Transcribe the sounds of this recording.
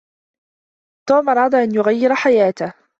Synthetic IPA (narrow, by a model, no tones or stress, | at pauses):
t̪uːmʔɑɾˤɑːd̪ˤɑʔanjʊɣajːɪɾħajaːt̪ah